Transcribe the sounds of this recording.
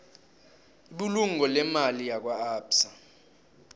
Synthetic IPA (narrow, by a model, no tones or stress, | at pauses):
iɓuluŋɔlɛmalijak̬waaːpsa